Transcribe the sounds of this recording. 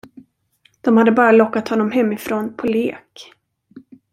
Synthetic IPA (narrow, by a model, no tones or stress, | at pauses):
d̪̥ɔmhad̪ːəbɑːɾalɔkːat̪hɔnːɔmɦɛmːɪfɾoːnpʰɔleːk